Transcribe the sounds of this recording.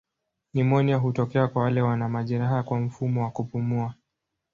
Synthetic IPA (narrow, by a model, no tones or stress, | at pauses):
nimɔniaɦutɔkɛakwawalɛwanamaʄɛɾaɦakwam̩fumɔwakupumua